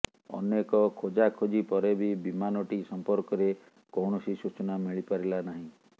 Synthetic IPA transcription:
ɔ̰nekɔkʰod͡ʒakʰod͡ʒipɔɾebʱibimanɔʈisɔmpɔɾkɔɾe | kɔwɳɔsisut͡ʃɔnamiɭipaɾilanaɦĩ

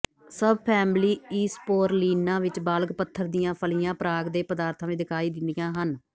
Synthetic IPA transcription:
səbpʰɛːmliːiːspoːɾliːnãːʋɪt͡ʃbaːlɡpət̪ʰːəɾd̪ijãːpʰəlijãːpəɾaːɡd̪eːpəd̪aːɾt̪ʰãːʋẽːd̪ɪkʰaːiːd̪ɪnd̪ijãːɦən

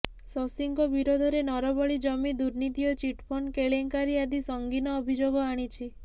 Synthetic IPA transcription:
sɔsiŋkɔbiɾod̪ʱɔɾenɔɾɔbɔɭid͡ʒɔmid̪uɾnit̪ijɔt͡ʃiʈpʰɔnkeɭeŋkaɾiad̪isɔŋɡinɔːbʱid͡ʒoɡɔaɽ̃it͡ʃʰi

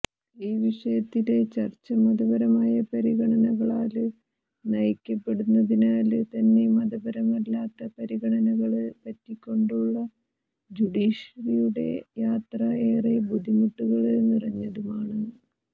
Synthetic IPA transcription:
iːʋiʂɐjɐt̪ːile̞t͡ɕɐrt͡ɕːɐmɐðɐbɐɾɐmaːjɐpɐɾiɣɐɳɐnɐɣɐɭaːlɨ | nɐjɐkʲːɐpːe̞ɽunːɐðinaːlɨt̪ɐnːe̞mɐðɐbɐɾɐmɐlːaːt̪ːɐpɐɾiɣɐɳɐnɐɣɐɭɨpɐtːikʲːo̞ɳɖuɭːɐ | d͡ʑuɽiːʂɐɾijuɽe̞̰jaːt̪rɐeːrebud̪ʱimuʈːuɣɐɭenːirɐɲːɐðumaːɳɨ

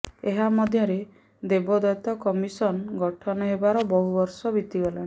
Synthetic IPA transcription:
eɦamɔd̪ʱjɔɾe | d̪ebɔd̪ɔt̪ɔkɔmisɔnɔɡɔʈʰɔnɔɦebaɾɔbɔɦubɔɾsɔbit̪iɡɔla

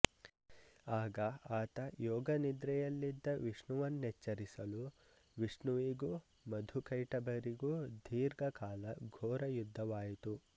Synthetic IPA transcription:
aːɡɐaːt̪ɐjɔːɡɐnid̪ɾɛjɐlːid̪ːɐʋiʂɳuʋɐnːet͡ʃːɐɾisɐlu | ʋiʂɳuʋiɡu | mɐd̪ʱukɐjʈɐbɐɾiɡud̪ʱiːɾɡɐkaːlɐɡʱɔːɾɐjud̪ʱːɐʋaːjit̪u

